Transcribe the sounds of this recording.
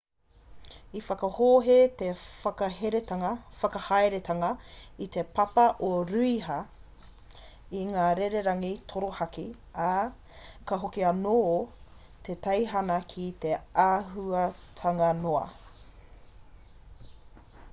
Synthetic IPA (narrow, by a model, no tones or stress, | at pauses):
ifɐkɐhoːɦet̪efɐkɐheɾetɐɐfɐkɐhaeɾet̪ʰɐŋɐit̪epɐpɐʔoɾʉiɦɐ | iŋaːɾeɾeɾɐŋit̪ʰoɾohɐki | ɐ | kɐɦokiɐno | t̪ʰet̪ɐjɦɐnɐkʰit̪e̞aɦuɐtʰɐŋɐnoɐ̰